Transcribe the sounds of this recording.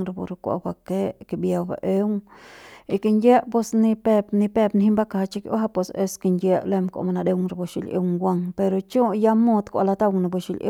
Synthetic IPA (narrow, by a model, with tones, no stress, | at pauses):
ŋɾa˧bṵ˧ɾkʷa̰˧ba˧ke˦ke˧bja˧wba̰˨ʔe˦ŋ | i˧ki˧nʲe˦ʔpe˧sni˧pe˧pni˧pe˧pnhi˦mba˦ka˧ht͡ʃi˧ko˦ɦa˦pwe˧se˧ske˧ndje˧ʔle˧mkʷa̰˨ma˧na˧d̪e˧wŋɾa˧bu˧ʃḭ˧˨lʲḛ˧wŋɡʷwa˧ŋpe˧ɾo˧t͡ʃo˦ja˧mo˧d̪kʷa̰˧˨la˧t̪a˦˧wŋna˧bu˧ʃi˧lʲʔḛ˦